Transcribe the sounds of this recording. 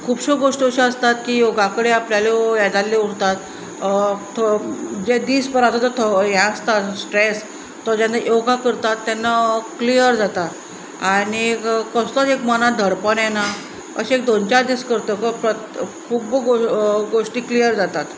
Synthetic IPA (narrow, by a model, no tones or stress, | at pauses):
kʰuːbɕoɡoʂʈiəɕiəst̪at̪kiːjoɡakəɽeapljalejɛd̪alːeuɽt̪at̪ | t̪ʰd͡ʑed̪iːspəɾat̪at̪ət̪ʰɔjãəst̪at̪sʈɾes | t̪ːɔd͡ʑãnajoɡakəɾt̪at̪ːanːaklijəɾd͡zat̪at̪ | anikəst̪ɔt̪ekmənad̪ʱəɾpənjɛna | ə̰ɕiek̚d̪ont͡ɕad̪iːskəɾt̪əkəpɾəkʰubəɡoɡoʂʈiːklijəɾd͡zat̪at̪